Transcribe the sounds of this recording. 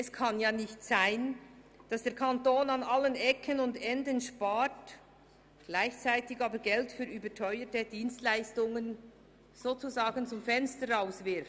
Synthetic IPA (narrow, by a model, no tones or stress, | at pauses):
ɛskʰɑnjaːnɪçtsaɪn | d̥ɑsd̥eːɐkʰantoːnanalːənɛkʰənʊndɛndənʃpaːt | ɡ̥laɪçt͡saɪtɪɡɑːbəɾɡɛltfyːɾyːbətʰœʏətəd̥iːnstlaɪstʊŋən | z̥oːt͡suzaːɡ̥ənt͡sʊmfɛnstəɾaʊsvɪɾft